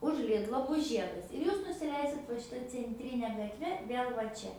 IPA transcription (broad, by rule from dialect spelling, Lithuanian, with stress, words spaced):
ʊʃ ˈlʲɪdlˠoː ˈbʊs ˈʒʲiɛdɐs ɪr ˈjuːs nʊsʲɪˈlʲɛɪsʲɪt ʋɐ ʃʲɪˈtɐ t͡sʲɛnʲˈtʲrʲɪnʲɛ ɡɐtʲˈʋʲɛ ˈʋʲeːlˠ ʋɐ ˈt͡ʃʲɛ